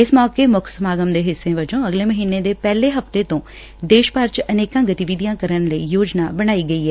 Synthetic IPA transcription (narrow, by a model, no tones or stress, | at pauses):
ɪsmɔːkeːmʊkʰsəmaːɡəmd̪eːɦɪsːẽːʋɪd͡ʒõːəɡleːməɦiːneːd̪eːpɛːleːɦəft̪eːt̪õː | d̪eːʃpaːɾt͡ʃəneːkãːɡət̪iʋid̪ijãːkəɾənləiːjoːd͡ʒnaːbəɽ̃aːiːɡəiːɦɛː